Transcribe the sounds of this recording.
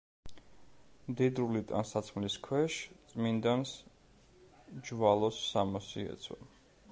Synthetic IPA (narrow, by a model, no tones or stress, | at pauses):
md̪id̪ɾulit̪ʼa̰nsat̪sʰχliskʰwɛʃt̪sʼmind̪ans | d͡ʒvalˠɔsːamɔsiɛ̰t̪sʰwa̰